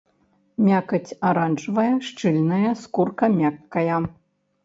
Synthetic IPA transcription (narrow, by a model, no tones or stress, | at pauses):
mʲakɐt͡sʲaɾanʐvɐjɐʂt͡ʂɨlʲnɐjɐskurkɐmʲakːɐjɐ